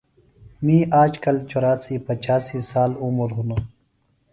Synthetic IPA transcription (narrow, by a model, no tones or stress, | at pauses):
mĩːʔaːd͡ʒkɐlt͡ʃoːɾaːsiːpɐt͡ʃaːsiːsaːluməɾɦuno